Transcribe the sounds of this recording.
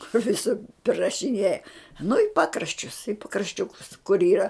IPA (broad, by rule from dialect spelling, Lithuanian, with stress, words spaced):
kʊr ʋʲɪˈsʊr pʲrʲɪrɐʃʲɪˈnʲeːjɛ nʊ ɪ ˈpɑːkrɐʃʲt͡ʃʲʊs ɪ pɐkrɐʃʲˈt͡ʃʲʊkʊs kʊr ˈiːrɐ